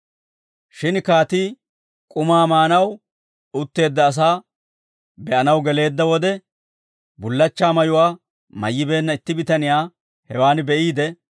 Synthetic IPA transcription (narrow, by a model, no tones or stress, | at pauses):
ʃɪnkaːt̪iː | kʼʊmaːmaːnɐw | ʊt̪ːe̞ːd̪ːɐːs̬aː | bɛʔɐnɐwɡɛle̞ːd̪ːɐwɔd̪ɛ | bʊlːɐt͡ʃːaːmɐjʊwaː | mɐ̰jːɪbe̞ːnːɐɪt̪ːɪbɪt̪ɐnɪjaː | hɛwaːnbɛʔiːd̪ɛ